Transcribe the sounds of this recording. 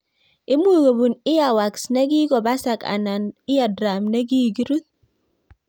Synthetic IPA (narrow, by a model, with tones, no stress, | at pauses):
i˦mu˦ɡo˨bu˨nɪ˦ja˨wa˨ksna˦ɡi˦ɡɔ˨ba˦sa˨ka̰˨na˨nɪ˦ja˨dɾa˨mne˦ɡi˦ɡi˦ɾu˦t̪̚